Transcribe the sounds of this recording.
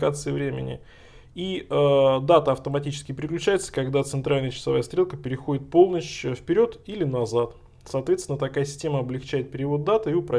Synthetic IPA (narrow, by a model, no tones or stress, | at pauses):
kat̪sɨɪvɾʲemʲɪ̰nʲɪ̰ | iəd̪at̪əɐft̪əmɐtʲit͡ɕɪ̥skʲɪpɾʲɪklʲʉt͡ɕæjɪt̪sə̥kɐɡd̪at̪sɨnt̪ɾalʲnəjət͡ɕɪ̥sɐvajəst̪ɾʲe̞lˠkəpʲɪɾʲɪxo̞dʲɪt̪̚po̞lˠnət͡ɕəfpʲɪɾʲo̞t̪ilʲɪnɐzat̪ | sɐːt̪vʲesʲɪnət̪ɐkajəsʲɪ̥sʲtʲe̞məɐblʲɪxt͡ɕæjɪt̪̚pʲɪɾʲɪvo̞t̪̚d̪at̪ɨiʊpɾɐ